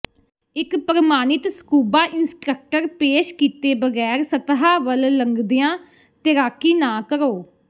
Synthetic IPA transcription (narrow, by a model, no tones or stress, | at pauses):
ɪkpəɾəmaːnɪt̪sə̥kuːbaːʔɪnsʈɾək̚ʈəɾpeːʃkiːt̪eːbəɡɛːɾsət̪ɦaːʋəlləŋɡd̪ɪjãː | t̪ɪɾaːkiːnãːkəɾoː